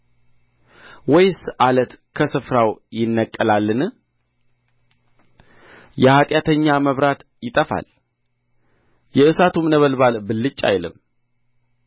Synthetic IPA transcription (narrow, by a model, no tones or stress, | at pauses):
wɔjsʔalət̪kʰəsɨfɾawjɪnːəkʼːəlalːɨnɨ | jɛhat̪ʼjat̪ʰəɲːaməβɾat̪ | jɪt̪ʼəfa̰l | jɛɨsat̪ʰumnəβəlbalbɨlːɨt͡ʃʼːa̰jlɨ̰m